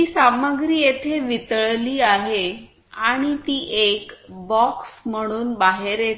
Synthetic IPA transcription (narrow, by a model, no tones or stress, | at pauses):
iːsaməɡɾiːjet̪ʰeʋit̪əɭliːaɦe | aɽ̃it̪iːʔekbɔksm̤əɽ̃uːnbaɦeɾe